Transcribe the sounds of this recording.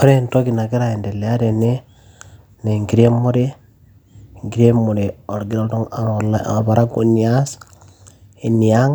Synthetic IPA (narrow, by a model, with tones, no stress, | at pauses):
o˦ɾe˦nto˦ki˨na˨ɡi˦ɾa˨e˨nde˨le˨a˦de˨ne˦ | ne˨ŋɡi˨ɾe˦mːo˦de˦ | ŋɡi˨ɾe˦mːo˨de˨o˨ɾɡi˨ɾa˦ldo˦ŋa˨l̰a˨pa˨ɾʔa˦ɡo˨ni˨a˦s | i˨ni˨ja˦ŋ